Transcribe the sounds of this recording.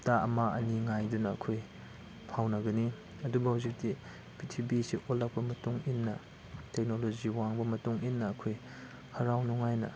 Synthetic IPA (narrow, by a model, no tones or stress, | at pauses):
taɐmaɐniŋajdunɐːkʰoj | pʰawnɐɡɐni | ɐdubɐhawzik̚di | pitʰibisiʔolːak̚pɐmɐtuŋinːɐ | tek̚nolod͡ʒiwaŋbɐmɐtuŋinːɐːkʰoj | hɐɾawnuŋajnɐ̰